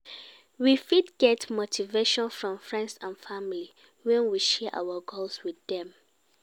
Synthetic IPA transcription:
wifidɡ̥ɛtmotʰiveʃɔ̃nfɹɔ̃mfɹɛ̃ndsãnfãmili | wɛ̃nwiʃɛʔa̰wəɡolswiðɛ̃m

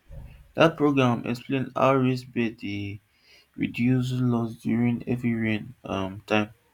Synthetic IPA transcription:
d̥at̚pɹoɡɹãmʔɛ̰ksplẽnda̰ʊɹisbɛe | ɹḭdjus̬lɔsdjuɹĩnɛvɹiɹĩnʌmtʰãɪ̃m

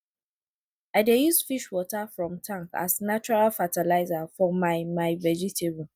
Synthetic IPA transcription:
aɪdejuzfiʃwɔtafɹɔ̃mtʰãŋka̰znat͡ʃuɹalfatalaɪzafɔmaɪmaɪvɛd͡ʒitʰebũ

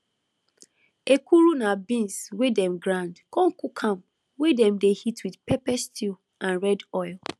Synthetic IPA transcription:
ekʰuɾunabĩnswedɛ̃mɡɹãndkɔ̃ŋkukʰãm | wedɛ̃mdehitʰwidpɛpɛstʰil | ãnɹɛdɔɪlˠ

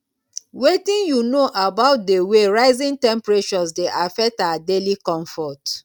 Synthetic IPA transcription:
wetĩnjunoʔabaʊt̚deweɹaɪzĩŋtɛ̃mpɹet͡ʃɔsdeʔafɛk̚taadelikɔ̃ɱfɔt

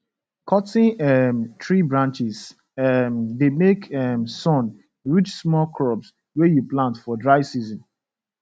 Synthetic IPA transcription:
kʰɔtɪ̃nɛmtɹibɹãnt͡ʃis | mdemekɛmsɔ̃n | ɹit͡ʃsmɔlkʰɹɔps | wɛjuplãntfɔdɹaɪsizɔ̃n

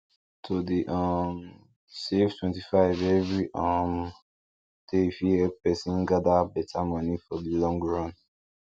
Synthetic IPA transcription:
tʰodeʔam | seftwɛ̃ntifaɪvɛvɹiʔam | tefiɛpɛsĩnɡadabɛtʰamɔnifɔdilɔ̃ŋɡɹɔ̃n

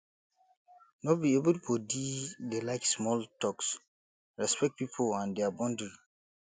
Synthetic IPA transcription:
nɔt̚biebultʰudidelaɪksmɔltɔks | ɹɛspɛk̚t̚pipʰolãndɛabɔ̃ndɹi

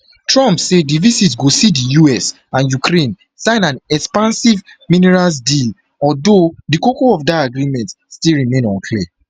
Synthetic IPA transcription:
tɹɔ̃mpsedivizitsɡosidijuɛs | ãnjukʰɾẽn | sãɪ̃nãnɛkspãnsiv | minɛɹasdil | ɔdodikokoɔvdaaɡɹimɛ̃nt | stilɹimẽnɔ̃nkʰliə

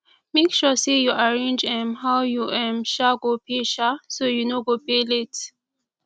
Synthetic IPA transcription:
mekʃɔsejuaɹẽnd͡ʒɛ̃mɦaʊjuʔɛ̃mʃaɡopʰeʃasojunoɡopelet

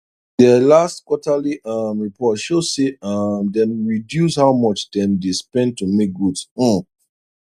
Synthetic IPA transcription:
dɛlastkwɔtaliʌmɹipʰɔtʃoseamdɛ̃nɹidjushaʊmɔt͡ʃdɛ̃mdespɛ̃ntumek̚ɡud̩

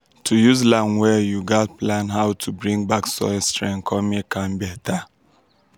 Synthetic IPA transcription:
tʰujuzlãnwɛjuɡɔt̚plãnɦawtʰubɹĩŋbaksɔ̰jstɹɛ̃ŋkʰɔmekʰãmbɛtʰa

